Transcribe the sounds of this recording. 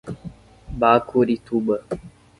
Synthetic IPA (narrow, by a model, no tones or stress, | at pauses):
baːkʰoɾit̪ʰuɓə